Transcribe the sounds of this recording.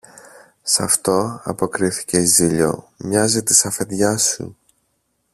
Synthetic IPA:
sɐ̰ft̪o̞ɐ̰po̞kɾiθi̥ce̞izðiʎo̞̰ | mɲɐzit̪i̥sɐfe̞ðʝɐsṵ

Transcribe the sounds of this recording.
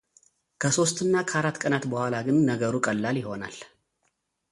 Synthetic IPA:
kʰəso̞st̪ʼɨnːakʰəaɾat̪ːkʼənat̪bəhʷalaɡɨnːəɡəɾukʼəlːaljɪɦo̞na̰l

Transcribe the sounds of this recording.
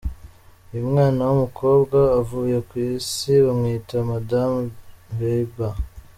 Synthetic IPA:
jumŋaːnawumukʰo̞ːbɡaːvuje̞kwiːsiβamŋiːtamadamveba

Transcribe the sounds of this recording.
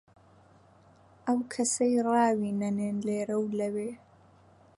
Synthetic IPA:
ʔɐwkʰɐsɐjrˤɑːwiːnɐneːnleːɾɐwlɐweː

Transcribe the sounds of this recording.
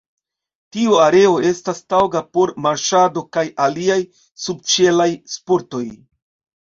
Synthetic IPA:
tiuaɾe̞o̞e̞stastawɡapo̞ɾmaɾʃado̞kajʔaliaj | sub̚t͡ʃe̞lajspo̞ɾto̞j

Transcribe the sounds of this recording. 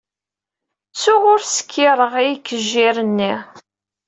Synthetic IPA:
t͡sːʊʁʊɾsə̥kʰːɪɾˤəʁijikːəʒːɪɾənːi

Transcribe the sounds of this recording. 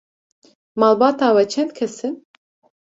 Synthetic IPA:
malˠbat̪aːwɛt͡ʃʰɛnt̪̚kʲʰɛsin

